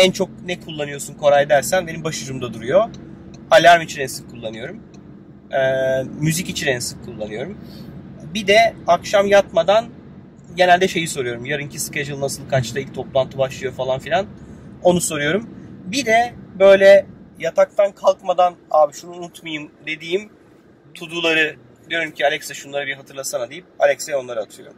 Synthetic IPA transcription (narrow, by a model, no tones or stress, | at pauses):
ɛnt͡ʃʰo̞k̚nɛkʰulˠːanɯjo̞sunkʰo̞ɾajed̪æɾsænbe̞nimbaʃɯɾumd̪ad̪uɾujo̞ | alʲaɾmit͡ʃʰinɛnsɯ̥kkʰːulˠːanɯjo̞ɾum | ɛːyzicit͡ʃʰinɛnsɯ̥kkʰːulˠːanɯjo̞ɾum | bid̪ɛakʃamjat̪mad̪an | ɟe̞nælʲd̪ɛʃe̞jiso̞ɾujo̞ɾumjaɾɯncʰisked͡ʒɯlˠnasɯlˠkʰat͡ʃt̪ʰailʲc̚t̪ʰo̞plˠant̪ʰɯbaʃlˠɯjo̞falˠanfilʲano̞nuso̞ɾujo̞ɾumbid̪ɛbø̞jlʲɛjat̪ʰak̚t̪ʰankʰalˠkmad̪anaːbiʃunuːnut̪majɯmd̪e̞d̪iːim | t̪ʰud̪ulˠaɾɯ | d̪ijo̞ɾumcʰialʲɛksaʃunlˠaɾɯbiɾɦat̪ʰɯɾlˠasanad̪ejip̚a̰lʲɛcsejo̞nlˠaɾɯat̪ʰɯjo̞ɾum